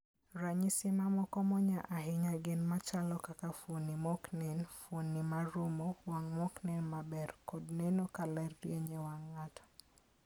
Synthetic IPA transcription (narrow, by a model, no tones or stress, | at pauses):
ɾaɲisimamɔkɔmɔɲaʔaɦiɲaɡenmat͡ʃalɔkakafonimɔknɛnfonːimaɾumowaŋmɔknɛnmabɛrkodnenokalɛrːjeɲewaŋːatɔ̥